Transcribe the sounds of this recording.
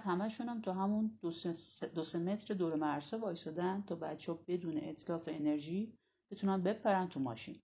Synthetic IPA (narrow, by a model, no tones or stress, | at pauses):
æt̪hæmæʃunæmt̪ʰɒːɦæmund̪ossd̪oseme̞t̪ɾed̪oːɾemæɾsɒvɒːjsɒːd̪ænt̪ʰɒːbæt̪t͡ʃʰːeɔbe̞d̪uːnḛʔet̪ʰlɒːfe̞ːne̞ɾʒiː | b̥et̪ʰunænbe̞pʰːæɾænt̪ʰumɒ̰ːʃḭːn